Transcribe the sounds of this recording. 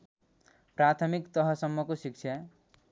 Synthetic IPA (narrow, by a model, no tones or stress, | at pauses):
pɾat̪ʰʌmikt̪ʌɦʌsʌmːʌkosik̚t͡ʃʰja